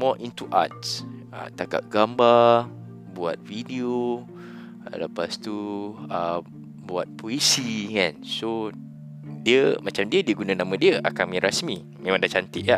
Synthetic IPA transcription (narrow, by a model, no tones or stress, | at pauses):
mɔʔint̪uʔa̰t̪̚s | ə̰t̪aka̰ʔ̚ɡamba | bua̰t̪̚vidio | ləpast̪uə | buat̪̚pʰoesikanso | diəmat͡ʃamdiədiəɡunanamãdiəʔakamĩɾasmi | mẽmãŋdaht͡ʃant̪ɪʔla